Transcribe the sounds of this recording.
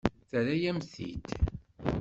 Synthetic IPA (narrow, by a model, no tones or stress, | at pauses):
θɾæjæmθḭt̪